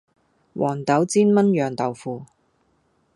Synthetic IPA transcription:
wʔɔ̰ː˨˩nt̪ɐ˨˥wt͡siː˥nmɐ˥njœː˨ŋt̪ɐ˨wfuː˨˧

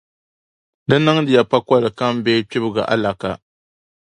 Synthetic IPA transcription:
dɨ˦nɨ˦ŋdɨ˨ja˨pa˦ka˦lɨ˨ka˦m˦beː˦k͡pɪ˦bɨ˦˨ɡa̰˨ʔa̰˦la˨ka̰˨

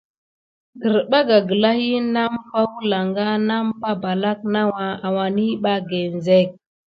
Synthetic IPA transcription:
ɡə˨ɾɓa˦ɡa˨ɡə˨la˦hi˦na˦mpa˦wu˦la˨ŋɡa˦na˦mpa˦ba˨la˦k̚na˦wa˨a˨wa˨ni˦ɓa˦ɡe˨n˨ze˦˨k̚

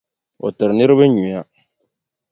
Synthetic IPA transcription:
ɔ̰˨tɨ˨ɾnɪ˦ɾɨ˦bɨ˦ɲu˨ja˦

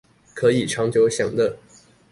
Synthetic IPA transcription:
kʰɤ˧˥i˨˩ʈ͡ʂʰɑ˧˥ŋt͡ɕjo˧˥ʊɕjɑ˨˩ŋd̪ə˦

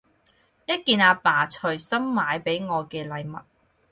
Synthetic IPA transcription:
jɐ˥t̚kiː˧naː˨˧paː˨˩t͡ʃʰɵ˨˩sɐ˥mːaː˨˧jpe˨˥jŋɔː˨˧kɛː˧lɐ˨˧jmɐ˨t̚

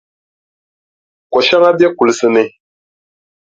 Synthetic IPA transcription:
kɔ˨ʃa˦ŋa˦bjɛ˦ku˨lɨ˨sɨ˦nɨ˦

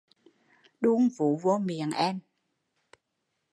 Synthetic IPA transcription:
ɗu˧əŋvṵ˧˨˦vo˧mḭ˨˩˨əŋʔɛ˧m

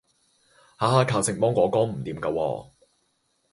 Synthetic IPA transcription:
haː˨aː˧kʰaː˨˧wsɪ˨ŋmɔː˥ŋkʷɔː˨˥kɔː˥ŋm̩˨˩t̪iː˨˦mkɐ˧wɔ̰ː˧

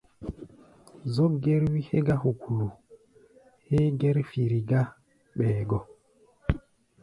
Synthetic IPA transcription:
zɔ˦ɡɛ˦ɾwi˦he˦ɡa˦hu˨ku˨lu˨ | he˦ɡɛ˦ɾfi˨ɾi˨ɡa˦ | ɓɛː˨ɡɔ˨

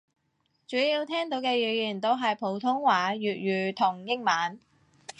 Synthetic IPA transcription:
t͡ʃyː˨˥jiː˧wt̪ʰɛː˥ŋt̪o˨˧˥wkɛː˧jyː˨˩jiː˨˩nt̪o˥wɦɐ˨jpʰo˨˥wt̪ʰʊ˥ŋwaː˨˥jyː˨t̚ɥyː˨˧t̪ʰʊ˨˩ŋjɪ˥ŋmaː˨˥n

